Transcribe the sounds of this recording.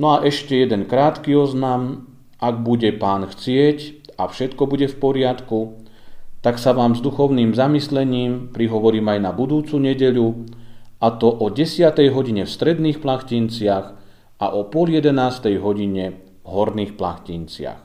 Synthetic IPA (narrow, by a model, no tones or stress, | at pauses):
nɔaʔɛʃcɛjɛd̪ɛnkɾaːt̪kiɔznam | ʔaɡbuɟɛpaːnxt͡sɪɛcafʃɛt̪kɔbuɟɛfpɔɾɪat̪ku | t̪aksaʋaːmzd̪uxɔʊniːmzamislɛɲiːmpɾiɦɔʋɔɾiːmajnabud̪uːt͡suɲɛɟɛʎu | at̪ɔʔɔɟɛsɪat̪ɛjɦɔɟiɲɛfst̪ɾɛd̪niːxplaxcint͡sɪax | ʔa̰ʔɔpʊɔljɛd̪ɛnaːst̪ɛjɦɔɟiɲɛ | vɦɔɾniːxpla̰xcint͡sɪa̰x